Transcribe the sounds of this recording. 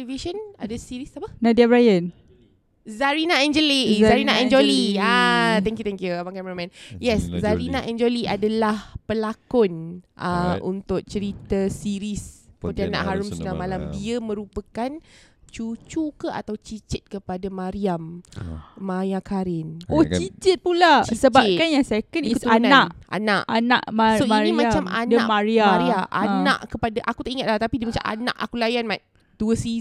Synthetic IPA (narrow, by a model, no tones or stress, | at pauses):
livisəna̰dasiɾisapənadiabɾajan | zaɾinaɛnd͡ʒəlizaɾinaɛ̃nd͡ʒoliat̪ɛ̃ŋkjut̪ɛŋkjuamaŋkɛmɛɾamɛ̃njɛszaɾinaʔɛ̃nd͡ʒoliʔadalahpəlakɔnʔəʔṵnt̪ʊk̚t͡ʃəɾit̪əsiɾispot̪ianːa̰ʔɦaɾʊmssunamalamdiəmə̃ɾupəkant͡ʃut͡ʃukəʔa̰t̪awt͡ʃit͡ʃət̪̚kəpadamaɾiamː | ajakaɾɪnot͡ʃit͡ʃət̪̚pulasəbakanjaŋsekənianaaʔʔa̰naʔana̰ʔsoaimãt͡ʃamandãʔmaɾiaaɾiaʔa̰na̰ʔkəpadaʔakut̪əiŋat̪̚laht̪apidimət͡ʃa̰ʔa̰nã̰ʔakulajanmat̪̚ | d̥uəsi